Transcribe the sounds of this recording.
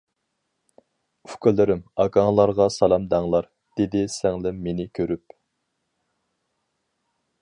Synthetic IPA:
ykʰylɪɾɪmɑkɑŋlˠɑɾʁɑsɑlˠɑmd̪æŋlˠɑɾ | d̪̥ed̪ɪsæŋlɪmːenɪkʲʰøɾyp̚

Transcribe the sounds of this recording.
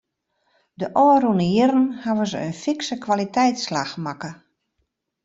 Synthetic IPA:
dəʔɔːrunəjɪɾən̩haʋəzəənfɪksəkʋalitɛjtslaxmakə

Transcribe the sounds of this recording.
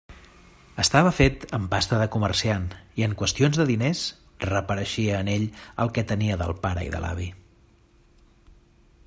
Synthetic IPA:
əst̪aβ̞əfet̪əmpast̪əðəkumərsianiəŋkwəst̪ionzðəðines | rəpəɾəʃiəːneʎəlˠkɛt̪əniəðə̰lˠpaɾə̰ḭðə̰la̰β̞i

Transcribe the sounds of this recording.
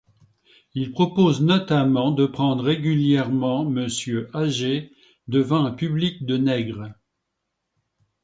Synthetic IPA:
ilpχɔpoznɔt̪amɑ̃d̪əpχɑ̃d̪ʁeɡʲyljɛʁmɑ̃məsjøʔaʒe | d̪əvɑ̃ɛ̃pyblik̚d̪ənɛɡʁ

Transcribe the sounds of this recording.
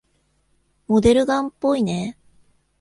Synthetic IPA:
mo̞d̪e̞ɾɯ̟ɡãmpːo̞ine

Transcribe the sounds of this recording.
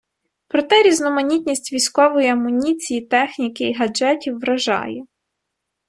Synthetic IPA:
pɾɔt̪ɛɾʲiznɔmɐnʲit̪ʲnʲisʲtʲʋʲijsʲkɔʋɔjiɐmːʊnʲit͡sʲijit̪ɛxnʲikɪiɦɐd͡ʒɛtʲiwːɾɐʒɑ̰jɛ

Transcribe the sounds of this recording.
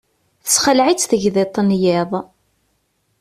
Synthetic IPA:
θə̥sχəlʕit͡sːθəʝðet̪ˤːnjɪðˤ

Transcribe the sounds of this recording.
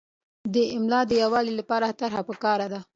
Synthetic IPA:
d̪əɪmlɑd̪əjawɑlilapɑɾat̪aɾhapəkɑɾad̪a

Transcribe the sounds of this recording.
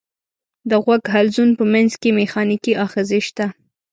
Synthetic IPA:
d̪əɣwaɡɦalzunpəmanzkemexɑnikiʔɑxezeʃt̪a

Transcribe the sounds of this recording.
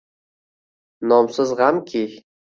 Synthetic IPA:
nɔmsɨzʁamkʰi

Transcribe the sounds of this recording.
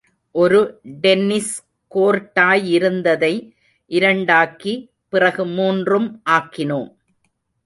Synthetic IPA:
ʔɔɾɯɖɛnːɪs | koːɾʈːaːjɪɾɯnd̪ɐðɐɪ | ʔɪɾɐɳɖaːki | pɪrɐɣɯmuːndrɯmʔaːkːɪnoːm

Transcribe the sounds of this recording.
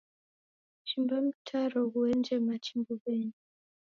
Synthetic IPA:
t͡ʃimbam̩tʰaɾɔɣuɛnd͡ʒɛmat͡ʃimbɔɓɛɲi

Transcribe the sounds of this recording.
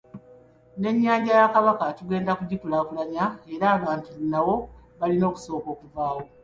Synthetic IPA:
ne̞ɲːaːɲɟajakaβakatuɡe̞ːndakuɟikulaːkulaɲae̞ɾaːβaːntiβunːawo̞βalino̞ːku̥so̞ːko̞ːkuvaːwo̞

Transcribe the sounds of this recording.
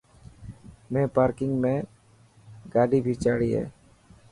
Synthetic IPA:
mẽːpaːɾkɪŋɡmẽː | ɡaːɖiːbʱit͡ʃaːɽiːḛː

